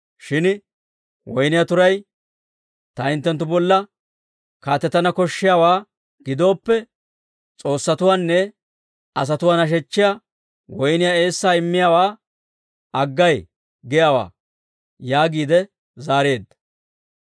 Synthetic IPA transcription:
ʃɪn | wɔjnɪjat̪ʊɾɐj | t̪ɐɪnt̪ːɛnt̪ːʊbɔlːɐ | kaːt̪ːɛt̪ːɐnɐkɔʃːɪjaːwaː | ɡ̥ɪd̪o̞ːpːɛ | t͡sʼo̞ːsːɐt̪ʊwaːnːɛ | ɐs̬ɐt̪ʊwaːnɐʃ̬ɛt͡ʃːɪja | wɔjnɪjae̞ːsːaːɪmːɪjaːwaː | ɐɡːɐj | ɡɛjaːwa̰ː | jaːɡiːd̪ɛ | zaːɾeːd̪ːɐ̥

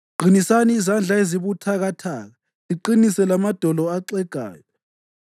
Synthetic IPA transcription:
ɡ͡ǃ̥ʱinisaniːzand͡ɮʱaeziβutʰaɣatʰaːɣa | ziǃinisɛlamad̥ʱɔlɔaǀɛɡ̥ʱa̰ːjɔ

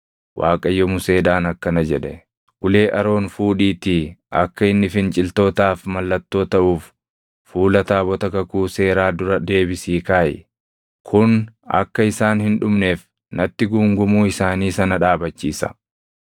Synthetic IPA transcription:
wʔa̰ːkʼɐjːɔmʊse̞ːd̪aːnɐkːɐnɐd͡ʒɛᶑɛ | ɡʊle̞ːʔɐɾo̞ːnfuːᶑiːt̪iʔɐkːɐɪnːɪfɪnt͡ʃʼɪlt̪o̞ːt̪aːfmɐlːɐt̪ːo̞ːt̪ɐʔuːfː | uːlɐt̪aːbɔt̪ɐkɐkuːse̞ːɾaːd̪ʊɾɐd̪e̞ːbɪsiːkaːʔɪ̰ | kʰʊnɐ̰kːɐɪsaːnhɪnᶑʊmneːf | nɐt̪ːɪɡuːŋɡʊmuːɪsaːniːsɐnɐᶑaːbɐt͡ʃːiːsɐ̥̰

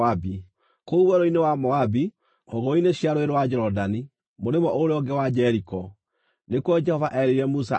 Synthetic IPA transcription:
abi | kouwɛɾoinewamɔabi | ɔɣɔineɕiaɾoeɾowad͡ʒɛɾɔdani | moɾemɔʔoɾeɔɡɛwad͡ʒɛɾikɔ | nekwɔd͡ʒɛhɔvaʔɛɾeiɾɛmusa̰

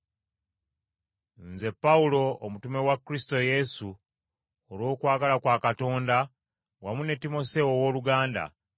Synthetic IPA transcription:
nze̞pːaulo̞ːmutume̞wakɾisi̥to̞je̞su | olwo̞ːkwaːɡalakwaːkato̞ːnda | wamune̞timo̞se̞wowoːluɡaːnda̰

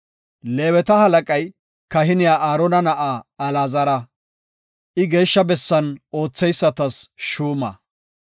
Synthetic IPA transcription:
le̞ːwɛt̪ɐhɐlɐkʼɐj | kɐɦɪnɪjaːʔaːɾɔnɐnɐʔaɐlaːzɐɾɐ | ʔɪɡe̞ːʃːɐbɛsːɐnʔo̞ːt͡sːɛjsːɐt̪ɐsʃuːmɐ̰

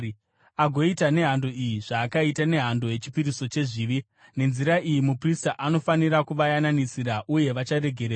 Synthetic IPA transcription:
aɡʱo̞itane̞ɦando̞ijiʐaːkaitane̞ɦando̞je̞t͡ʃi̥piɾiso̞t͡ʃe̞ʐiʋi | ne̞nziɾaʔijimupristaʔano̞faniɾakuʋajananisiɾaʔuje̞ʋat͡ʃaɾe̞ɡʱe̞ɾeːa

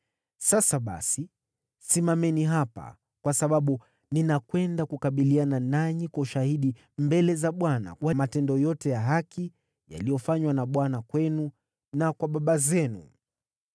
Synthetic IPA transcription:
sasaɓa̰si | simamɛniɦapa̰ | kwasaɓaɓu | ninakwɛndakukaɓiliananaɲikwauʃahiɗi | mbɛlɛzaɓwana̰kwamatɛndɔjɔtɛjaɦakʰi | ja̰lijɔfaɲwanaɓwanakwɛnu | nakwaɓaɓazɛnṵ

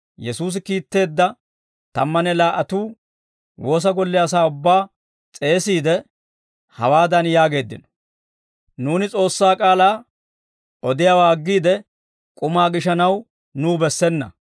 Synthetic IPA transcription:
jɛsuːs̬ɪkiːt̪ːe̞ːd̪ːɐ | t̪ɐmːɐnɛlaːʔɐt̪uː | wo̞ːs̬ɐɡɔlːɛɐs̬aːʊbːaː | t͡sʼe̞ːsiːd̪ɛ | hɐ̰waːd̪ɐnjaːɡe̞ːd̪ːɪ̰nɔ̥ | nuːnɪt͡sʼo̞ːsːaːkʼaːlaː | ɔd̪ɪjaːwaːɡːiːd̪ɛ | kʼʊmaːɡɪʃɐnɐw | nuːbɛsːɛnːɐ̰

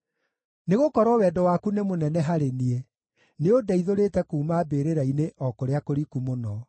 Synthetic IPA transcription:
neɣokɔɾɔwɛːdɔwakunemonɛnɛɦaɾeniɛ | neodaiðoɾeːtɛkuːmaːbeɾeɾaineʔɔkoɾeakoɾikumonɔ

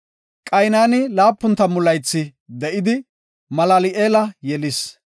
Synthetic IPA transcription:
kʼɐjnaːnɪlaːpːʊnt̪ːɐmʊlɐjt͡sːɪd̪ɛʔɪd̪ɪ | mɐlaːlɪʔeːlɐjɛlɪs

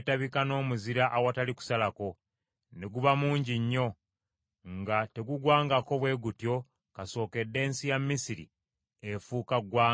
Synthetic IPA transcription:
taβikano̞ːmuziɾaʔawataliku̥salako̞ | neɡuβamuːɲɟiɲːo̞ | ŋɡate̞ɡuɡwaːŋɡako̞βwe̞ːɡutjo̞ | kaso̞ːke̞dːe̞ːnsijamːisiɾḭ | efuːkaɡwaː

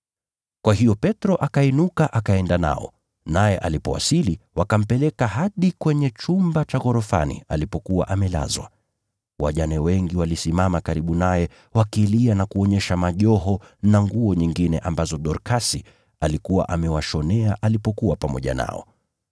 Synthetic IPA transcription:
kwaɦijɔpɛtɾɔʔakainukaʔakaɛndana̰ɔ̰ | najɛʔalipɔ̰wa̰siliwakam̩pɛlɛkaɦaɗikwɛɲɛt͡ʃumbat͡ʃaɣɔɾɔfa̰nḭalipɔkuwa̰ʔamɛla̰zwa̰ | waʄanɛwɛŋɡiwalisimamakaɾiɓunajɛ | wakilianakuɔɲɛʃamaʄɔɦɔnaŋɡuɔɲiŋɡinɛʔambazɔɗɔɾkasi | alikuwa̰ʔamɛwaʃɔnɛaʔalipɔkuwapamɔʄa̰na̰ɔ̰

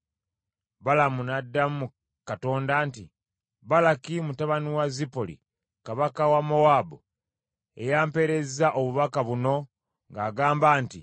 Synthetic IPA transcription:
balamunadːamu | kato̞ːndaːntḭ | βalakimutaβaniwazipolḭ | kaβakawamo̞waːbo | ḛjaːmpe̞ɾe̞zaʔo̞βuβakaβuno̞ | ŋɡaːɡaːmbaːnti

